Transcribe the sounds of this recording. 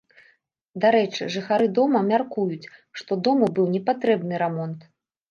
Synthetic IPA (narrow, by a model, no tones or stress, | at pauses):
d̪aɾɛt͡ʂɨ̰ʐɨxaɾɨd̪ɔmɐmʲarkujut͡sʲʂt̪ɔd̪ɔmubɨwnʲɛpat̪ɾɛbnɨɾamɔnt̪